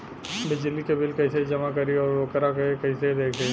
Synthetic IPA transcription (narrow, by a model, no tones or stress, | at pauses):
bɪd͡ʒɪlːikebɪlkɐɦɪsed͡ʒɐmakɐɾiɔːɾʋokɾakɐiekɐɪseid̪eːkʰle